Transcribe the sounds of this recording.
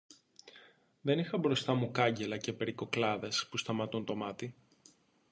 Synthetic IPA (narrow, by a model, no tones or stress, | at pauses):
ðe̞nixɐbɾo̞st̪ɐmukɐɲɟe̞lɐce̞pe̞ɾiko̞klɐðe̞spust̪ɐmɐt̪unt̪o̞mɐt̪i